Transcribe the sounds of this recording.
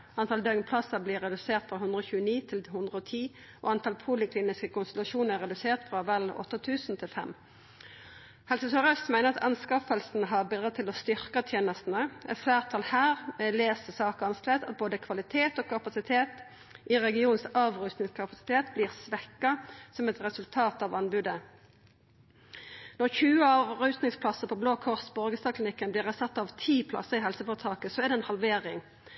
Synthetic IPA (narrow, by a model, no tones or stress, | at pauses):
ɑnt̪ʰɑld̪œɡnpʰlɑsəbliːʁɛd̪ʉseːʁt̪fʁɑɦʉnd̪ʁəoːçʉːəniːt̪ʰɪlhʉnd̪ʁəoːt̪ʰiː | ʔo̰ːɑnt̪ʰɑlpʰʊlɪkʰliːnɪskəkʊnst̪ɛlɑʃuːnəɛʁɛd̪ʉseːʁt̪fɾʁɑɑpɛlɔ̰t̪ːət̪ʰʉːsn̩t̪ʰɪlfɛ̰m | hɛlsɪsəʁœst̪mæɪəʁɑt̪ʰɑnskɑfəlsn̩ɦɑʁbɪd̪ʁɑdt̪ʰɪlɔst̪ʏʁkɑt̪ʰjeːnəst̪n̩əɛ̰t̪flæːʁt̪ʰɑlhæːʁɛleːsəsɑːkɑnslɛt̪ɑt̪̚boːd̪əkʰʋɑlɪt̪ʰeːt̪oːkʰɑpɑsɪt̪ʰeːt̪ | ʔɪʁɛɡɪuːnnsɑːʋʁʉːsnɪŋskʰɑpɑsɪ̥t̪ʰeːt̪bliːʁsʋɛkːɑsɔmɛt̪ʁɛsʉlt̪ʰɑːt̪ɑʋɑnbʉːd̪ə | nɔʁçʉːəɑːʋʁʉːst̪nɪŋspʰlɑsəʁpʰɔbloːkʰɔʁsbɔʁɡəst̪ɑkʰlɪnɪkːənblɪːʁɛsɑt̪ːɑʋt̪ʰiːpʰlɑ̰sːəʁɪɦɛlsəfɔːʁt̪ʰɑːkəsɔɛʁd̪ɛnhɑlʋeːʁɪŋ